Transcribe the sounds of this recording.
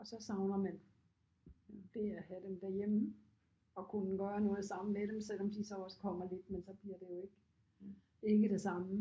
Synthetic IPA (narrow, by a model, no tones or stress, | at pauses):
ɒ̽sɒ̽sɑ̈ʊnɐmæn | d̥e̝æhæd̥emd̥æɐjemə | ɒ̽kʰunəɡ̥ɶːɐnɔ̽ːð̩ˠsɑ̈mmeɾemsel̰ɒ̽md̥isɒ̽ɒ̽sə̥kʰɒ̽m̰ɐle̝d̥mensɒ̽b̥liɐd̥e̝jo̝e̝ɡ̥ | e̝ɡ̥əɾ̥e̝sɑ̈mə